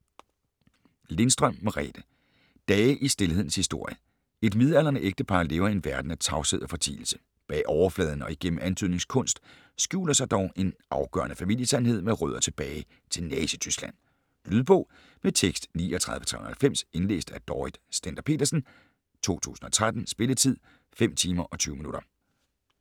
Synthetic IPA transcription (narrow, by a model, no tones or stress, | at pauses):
le̝nsd̥ʁɶm̰meʁɛ̰ːd̥ə | d̥ɛːʔisd̥e̝lhe̝ð̰ˠn̩shisd̥o̝ɐ̰jə | e̝d̥mið̞ˠæl̰ɐnəʔeɡ̥̚d̥əpʰɑ̈ːle̝ːʊɐe̝nʋæɐd̥n̩æt͡sʰɑ̈ʊseð̰ˠɒfɒ̽t͡sʰḭːl̩sə̥ | b̥ɛ̰ːʔɒʊɐflɛ̰ːð̞ˠn̩ɒ̽iɡ̥en̰m̩ænt͡sʰyð̰ˠne̝ŋskʰɔ̽n̰sd̥ | sɡ̥jṵːlɐsɑ̈ɪd̥ɒʊʔe̝nʔɑ̈ʊɡ̥ɶ̰ɐnəfæmḭl̰jəsænɦe̝ð̞̰ˠmeʁœðˠɐt͡sʰe̝b̥ɛːɪ | t͡sʰe̝lnɛːsət͡sʰysɡ̥læn̰ | lyðˠb̥ɔ̽ː | met͡sʰeɡ̥sd̥niːɒt͡sʰʁɑ̈ðˠʋə̥t͡sʰʁa̰hælfem̰se̝nlḛːsd̥æd̥ɒːid̥sd̥ænd̥ɐpʰe̝̰ːdɐsn̩ | t͡sʰo̝̰ːt͡sʰṵːsn̩ɒ̽t͡sʰʁad̥n̩sb̥e̝lət͡sʰið̞̰ˠ | fem̰t͡sʰiːmɐʔɒ̽t͡sʰyːʊminuɾ̥ɐ